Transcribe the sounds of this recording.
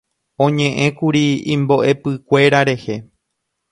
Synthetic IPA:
õ̞ɲẽʔẽ̞kuɾiḭ̃mbo̞ʔe̞pɨkʷe̞ɾaɾe̞he̞

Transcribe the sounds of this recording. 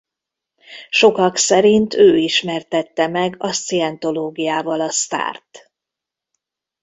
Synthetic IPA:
ʃo̞kɒksɛɾint̪ʰøːiʃmɛrt̪ɛt̪ːɛmɛɡɒst̪siɛnt̪o̞loːɡijaːvɒlɒst̪a̰ːrt̪

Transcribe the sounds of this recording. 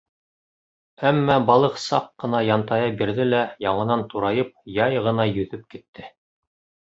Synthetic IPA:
æmːæbɑlˠɤqsɑqːɤ̆nɑjɑnt̪ɑjɑbiɾðɘlæjɑɴɤ̆nɑnt̪uɾɑjɤp̚jɑjʁɤ̆nɑjɵ̆ðɵp̚kit̪ːɘ

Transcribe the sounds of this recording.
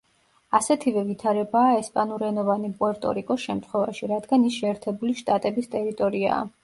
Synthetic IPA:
asɛt̪ʰivɛvit̪ʰaɾɛbaːɛspʼanuɾɛnɔvanipʼɔɾt̪ʼɔ̰ɾikʼɔsʃɛmt̪ʰχwɛva̰ʃiɾad̪ɡanisʃɛːɾt̪ʰɛbuliʃt̪ʼat̪ʼɛbist̪ʼɛɾit̪ʼɔɾia̰ː

